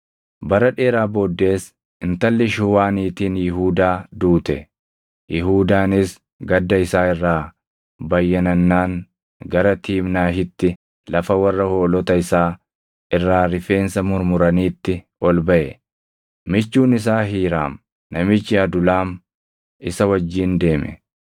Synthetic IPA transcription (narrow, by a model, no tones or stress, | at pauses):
bɐɾɐᶑe̞ːɾaːboːd̪ːe̞ːs | ɪnt̪ɐlːɪʃʊwaːniːt̪iːnjɪɦuːd̪aːd̪uːt̪ɛ | jʔɪɦuːd̪aːnɪs | ɡɐd̪ːɐɪsaːɪrːaː | bɐjːɐnɐnːaːŋ | ɡɐɾɐt̪iːmnaːɦɪt̪ːɪ | lɐfɐwɐrːɐho̞ːlɔt̪ɐɪsaː | ɪrːaːɾɪfe̞ːnsɐmʊɾmʊɾɐniːt̪ːɪ | ɔlbɐʔɛ | mɪt͡ʃːuːnɪs̬aːɦiːɾa̰ːm | nɐmɪt͡ʃːɪɐd̪ʊlaːm | ɪsɐwɐd͡ʒːiːnd̪e̞ːmɛ̰